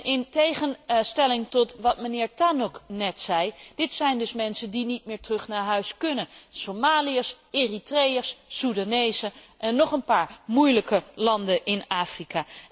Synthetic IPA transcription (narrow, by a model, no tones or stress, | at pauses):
ʔɪntejχənstɛlɪŋtɔtʋɑtmənɪːɹtanɔknɛtsɛjd̥ɪtsɛjndɵsmɛnsəndinit̚mɪːɹtrɵχnaːɹɦœɥskɵnənsomaːliəs | eritrejəsːuɹdanejzəʔɛnːɔχənpaːɹmujləkəlɑndəʔɪnaːfrikaː